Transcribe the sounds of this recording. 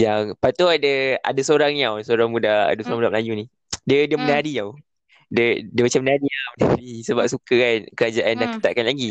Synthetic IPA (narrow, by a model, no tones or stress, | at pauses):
jaŋpat̪uadəa̰dasoɾaŋniawsoɾaŋmudaa̰dasoɾaŋmudamlajuni | diədəməndaaɾiaw | dədiəmat͡ʃamənaaɾiawdaisəbap̚sukəkankəɾad͡ʒaʔandaŋkə̥t̪aʔ̚kanlaɡi